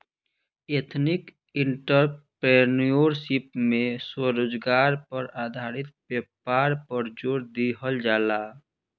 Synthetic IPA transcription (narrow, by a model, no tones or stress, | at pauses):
et̪ʰnik | iɳʈəɾpɾenijoɾsipmẽswəɾod͡ʒɡaːɾpəɾad̪ʱaːɾit̪̚bepaːɾpəɾd͡ʒoɾd̪iɦəld͡ʒaːla